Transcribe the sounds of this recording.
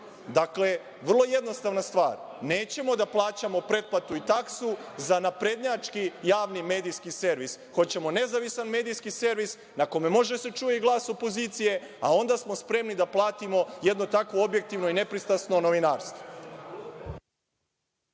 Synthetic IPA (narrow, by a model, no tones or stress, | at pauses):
d̪akle | ʋər̩lˠo̞jed̪no̞st̪aʋnast̪ʋa̰ːɾneːt͡ɕe̞mo̞d̪aplˠaːt͡ɕamo̞pɾe̞t̪̚plat̪uit̪aksuzanapɾe̞d̪ɲat͡ʃkijaːʋnime̞ːd̪ijskise̞ɾʋis | xo̞t͡ɕe̞mo̞ne̞zaʋisanme̞ːd̪ijskise̞ɾʋis | nako̞memo̞ʒese̞t͡ʃuːjiɡlˠaːso̞po̞ziːt̪sije̞ | a̰o̞nd̪asmo̞spɾe̞mnid̪aplˠaːt̪imo̞je̞d̪no̞t̪akʋo̞obje̞k̚t̪iʋno̞ine̞pɾist̪asno̞no̞ʋinaːɾst̪vo